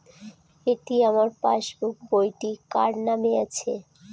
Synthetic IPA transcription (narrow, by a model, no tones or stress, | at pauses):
eʈiamaɾpa̰ʃbuk̚bojʈika̰ɾnameat͡ɕʰe